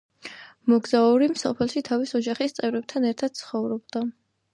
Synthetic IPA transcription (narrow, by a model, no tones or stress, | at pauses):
mɔɡzauɾimsɔpʰɛlˠʃit̪ʰavisɔd͡ʒaχist̪sʼɛvɾɛb̚t̪ʰanɛɾt̪ʰad̪̥̚t̪sʰχɔvɾɔbd̪a